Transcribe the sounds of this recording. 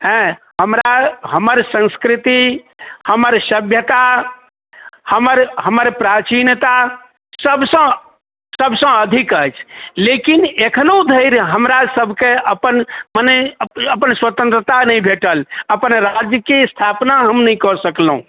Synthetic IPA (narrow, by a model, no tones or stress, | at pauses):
ɦɛ̃ | həmɾaɦəməɾsə̃nskɾit̪i | həməɾsəbʱjət̪a | həməɾɦəməɾpɾat͡ʃint̪a | səbsə̃ | səbʱsə̃əd̪ʱikəjt͡ʃʰlekinekʰənod̪ʱəɪɾɦəmɾasəbʱkeəpənmənəjəpənswət̪ə̃nt̪ɾət̪anəjbʱeʈələpənɾad͡ʒjəkest̪ʰapnaɦəmnəikɔɾsəklɦṵ̃